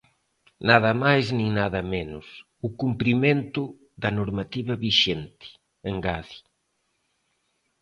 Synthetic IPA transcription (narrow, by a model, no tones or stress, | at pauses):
naðɐmajznĩŋnaðɐmenʊs | ukumpɾimẽnt̪ʊ | ðɐnoɾmat̪iβɐβiʃent̪ɪ̥ | eŋɡaði̥